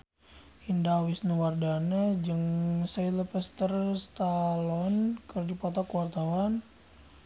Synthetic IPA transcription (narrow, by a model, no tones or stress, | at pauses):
indawisnəwardanad͡ʒəŋsajləpəst̪ərst̪alɔnkərd͡ʒupat̪akuwart̪awan